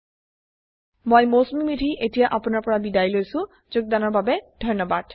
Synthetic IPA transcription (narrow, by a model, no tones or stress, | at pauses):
mojmosmimidʱiʔetijaʔapʊnaɹpɔɹabidajlojsʊ̃ | zʊɡ̚d̪anɔɹbabɛdʱɔnɔbad̥